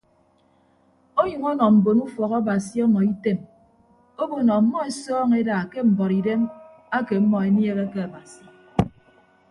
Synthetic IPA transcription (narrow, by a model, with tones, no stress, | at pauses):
o˦ɲɨ˨ŋɔ˦nɔ˨m̩˨bo˨nu˦fɔ˨ɣɔ˦ba˨si˦ɔ˦nɔ˨i˦te˦m | o˦bo˨nɔ˨mːɔ˦e˨sɔː˦ŋe˦daː˨ke˦m̩˨bɔ˨ɾi˨de˦m | a˦ke˨˦mːɔ˨e˨nje˦ɣe˦ke˦a˨ba˨si̥˨